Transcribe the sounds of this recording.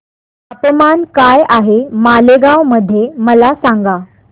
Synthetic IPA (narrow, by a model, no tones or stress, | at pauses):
əpmankajaɦemaleɡawməd̪ʱːjeməlasãŋɡa